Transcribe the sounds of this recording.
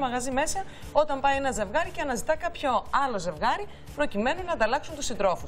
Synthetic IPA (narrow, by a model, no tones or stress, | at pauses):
mɐɣɐzime̞sɐ | o̞t̪ɐmpɐjenɐze̞vɣɐɾiceɐnɐzit̪ɐkɐpço̞ɐlo̞ze̞vɣɐɾi | pɾo̞cime̞ninɐnd̪ɐlɐksunt̪usind̪ɾo̞fu